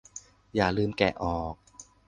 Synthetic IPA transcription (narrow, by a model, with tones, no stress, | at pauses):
jaː˨˩lɯː˧mkɛ˨˩ʔɔː˨˩k̚